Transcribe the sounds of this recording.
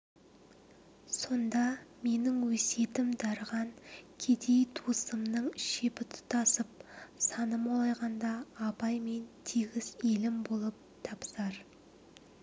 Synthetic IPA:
so̞nd̪ɑme̞nɪŋwɵse̞t̪ɪmd̪ɑɾʁɑŋkʲʰe̞d̪e̞jt̪ʰusəmnəɴʃe̞pɪt̪ʰʊ̥t̪ɑsəp̚sɑnəmolˠɑjʁɑnd̪ɑːpɑjme̞nt̪ʰiɡʲɪze̞lɪmbo̞lˠəp̚t̪ʰɑpsɑɾ

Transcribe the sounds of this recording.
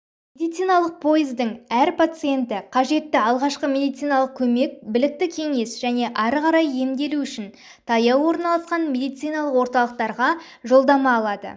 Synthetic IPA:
e̞d̪ijt̪sɨjnɑlˠəq̚pʰo̞jɪzd̪ɪŋæɾpʰat̪sɨje̞nt̪ɪqʰɑʒe̞t̪ːɪɑlˠʁɑʃqəmʲe̞d̪ijt̪sɨjnɑlˠəq̚kʲʰɵme̞k̚bɪlɪk̚t̪ɪkʲʰe̞ŋe̞sʒ̥æne̞ʔɑɾqɑɾɑje̞md̪e̞luʏʃɪn | t̪ʰɑjɑwwo̞ɾnɑlˠɑsqɑnme̞d̪ijt̪sijnɑlˠəqwo̞ɾt̪ɑlˠəq̚t̪ɑɾʁɑ | ʒo̞lˠd̪ɑmɑːlˠɑd̪ə̰

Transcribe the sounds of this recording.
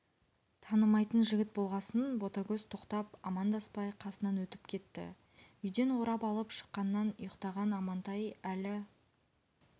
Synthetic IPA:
t̪ʰɑnəmɑjt̪ənʒɪɡʲɪt̪̚bo̞lˠʁɑsənbo̞t̪akʲɵzt̪ʰo̞qt̪ɑpɑmɑnd̪ɑspɑjqʰɑsənɑnwɵt̪ɪ̥pkʲʰe̞t̪ːɪ̰ | ʏjd̪e̞nwo̞ɾɑpɑlˠəpʃə̥qːɑnːɑnʊjəqt̪ɑʁɑnɑmɑnt̪ɑjælɪ

